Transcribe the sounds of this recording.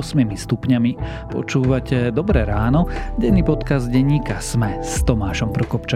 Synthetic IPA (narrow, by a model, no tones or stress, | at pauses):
smimist̪upɲami | pɔ̰t͡ʃuːʋacɛd̪ɔbɾɛɾaːnɔɟɛnːiːpɔt̪kazɟɛɲːiːkasmɛst̪ɔmaːʃɔmpɾɔkɔpt͡ʃa